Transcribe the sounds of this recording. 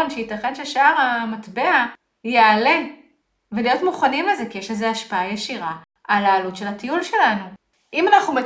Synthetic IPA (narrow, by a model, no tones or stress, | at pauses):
nʃeitaχenʃeʃaʁhamatbea | jeale̞ | velijo̞tmuχanimlezekijeʃlezeaʃpaajeʃiʁa | alaːlutʃe̞lhatijulʃe̞lanu | imanaχnume